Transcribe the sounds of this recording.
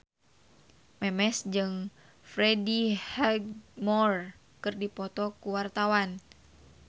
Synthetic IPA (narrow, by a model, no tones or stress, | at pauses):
mɛmɛsd͡ʒɨŋ | fɾedihɛɡmɔr | kɨrdipɔt̪ɔkuwart̪awan